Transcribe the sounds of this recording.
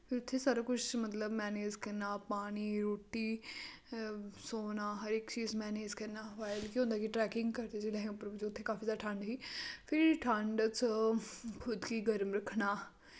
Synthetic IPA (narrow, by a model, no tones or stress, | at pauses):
pʰɪɾʊt̪ʰːeːsaːɾaːkʊt͡ʃʰmət̪ləbmɛːneːd͡ʒkɛnːaːpaːñiːɾoːʈiː | soːnaːɦəɾɪkt͡ʃiːzmɛːneːd͡ʒkɛnːaːʋaːɪlkĩɦõːnd̪aːkiʈɾɛːkɪŋɡkəɾd̪eːd͡ʒeːlẽːɦpɾd͡ʒoʊt̪ʰːeːkaːfiːsaːʈʰə̃ɳɖɦiːpʰɪɾʈʰəɳɖt͡s | kʰʊd̪kiːɡəɾmɾəkʰnaː